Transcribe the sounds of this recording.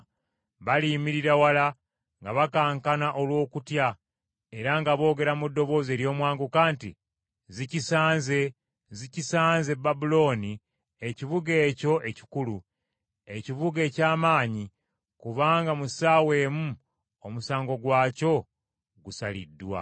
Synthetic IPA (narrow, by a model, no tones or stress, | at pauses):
βalimiɾiɾawala | ŋɡaβakaːŋkanaʔo̞lwo̞ːkutja | e̞ɾaŋɡaβo̞ːɡe̞ɾamudːo̞βo̞ːzeɾjo̞ːmwaːŋɡukaːntḭ | zicisaːnze̞ | zicisaːnze̞bːabulo̞ːni | e̞ciβuɡe̞ːco̞ʔe̞ci̥kulu | e̞ciβuɡe̞ːcaːmaːɲi | kuβaːŋɡamusaːwe̞ːmu | omusaːŋɡo̞ɡwaːco̞ | ɡusalḭdːwa̰